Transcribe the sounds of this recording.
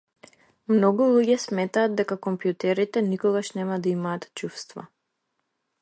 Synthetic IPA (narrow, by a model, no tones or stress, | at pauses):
mnɔɡulˠuɟɛsmɛt̪aːd̪̚d̪ɛkakɔmpjut̪ɛɾit̪ɛnikɔɡaʃnɛmad̪aimaːt̪t͡ʃufst̪va̰